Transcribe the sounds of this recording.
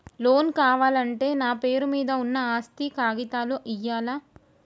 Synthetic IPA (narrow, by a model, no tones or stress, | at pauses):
lo̞ːnkaːʋaːlɐɳʈe̞ːnaːpeːɾumiːd̪ɐunːɐaːst̪ikaːɡit̪aːluʔijːaːlaː